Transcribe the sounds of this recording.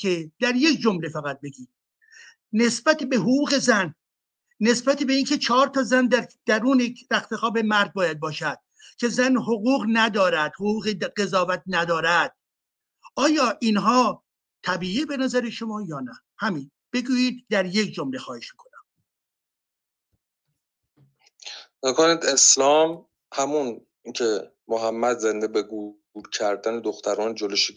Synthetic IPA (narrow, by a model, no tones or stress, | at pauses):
cʰed̪̥æɾje̞kʰd͡ʒomle̞fæɣæt̪̚be̞ɡiːd̪̥̚ː | e̞sbæt̪ebe̞ɦoɣuːɣe̞zænː | e̞sbæt̪ʰebeiːnkʰe̞t͡ʃʰɒːɾt̪ʰɒːzænd̪æɾd̪̥æɾuːneɾæxt̪ʰexɒːbe̞mæɾd̪̚bɒːjæd̪̚bɒːʃæd̪̥̚ | cʰe̞zænhoɣuːɣnæd̪ɒːɾæd̪̥hoɣuːɣeɢe̞zɒːvæt̪̚ʰnæd̪ɒːɾæd̪̥̚ | ʔɒːjɒːʔiːnɦɒː | t̪ʰæbiːiːbe̞næzæɾeʃo̞mɒːjɒːnæ | hæmin | b̥e̞ɡuːjiːd̪̚ːæɾje̞cʰd͡ʒomle̞xɒːheʃmi̥kʰo̞næm | mokʰonid̪e̞slɒːm | hæmun | cʰe | moɦæmːæd̪zend̪ebeɡu | ɾcʰæɾd̪æned̪oxt̪ʰæɾɒːnd͡ʒoloʃi